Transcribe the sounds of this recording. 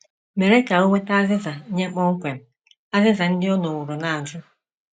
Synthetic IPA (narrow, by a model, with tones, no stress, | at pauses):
me˨ɾe˦ka˨o˦ŋʷe˦ta˦a˦zɪ˦za˨˦ɲe˦k͡pɔ˦ŋ̩˦kʷe˨m̩˨ | a˦zɪ˦za˨n̩˦dɪ˦ɔ˦no˨wʊ˨ɾʊ˨na˨a˨d͡ʒʊ˦